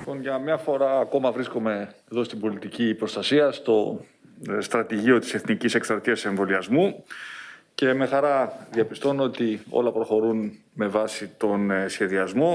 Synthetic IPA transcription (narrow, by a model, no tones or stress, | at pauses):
lipo̞nʝɐmɲɐfo̞ɾɐːko̞mɐvɾisko̞me̞ːðo̞st̪ibo̞lit̪icipɾo̞st̪ɐsiɐst̪o̞ | st̪ɾɐt̪iʝio̞t̪i̥se̞θnicise̞kst̪ɾɐt̪iɐseɱvo̞liɐzmu | ce̞me̞xɐɾɐðiɐpist̪o̞noot̪io̰lɐpɾo̞xo̞ɾun | me̞vɐsit̪o̞nesçe̞ðiɐzmo̞